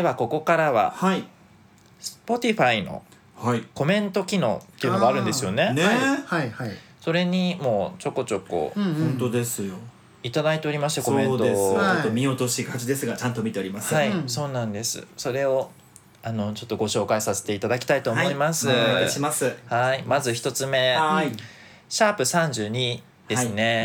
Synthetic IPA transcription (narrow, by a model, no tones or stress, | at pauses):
d̪eβako̞ko̞kaɾaβa̰hai | sɨ̥po̞t̪ʲiɸaino̞̰ | haiko̞mẽ̞nt̪o̞kʲino̞ːtt̪ːe̞iɯ̟noɡaɾɯ̟̃nd̪e̞sɨjo̞ne̞nehaaso̞ɾe̞ɲ̟imo̞ːt͡ɕo̞kːo̞t͡ɕo̞kːo̰hõnt̪od̪e̞sɨjo | it̪ad̪ait̪e̞oɾʲimaɕi̥t̪ako̞mẽ̞nt̪oeaomʲio̞t̪o̞ɕikʰat͡ɕid̪e̞sɨɡat͡ɕãnt̪omʲit̪e̞oɾʲimasɨaiso̞ːnãnd̪e̞sɨ̰so̞ɾe̞o̞ | ano̞t͡ɕo̞t̪ːo̞ɡo̞ɕo̞ːkaisase̥t̪e̞it̪ad̪akʲi̥t̪ait̪o̞ːo̞imasɨɕimasɨhaimazɨçi̥t̪o̞t͡sɨme̞i | ɕaːpɯ̟sãɲ̟d͡ʑɨːɲ̟i | d̪e̞sɨne̞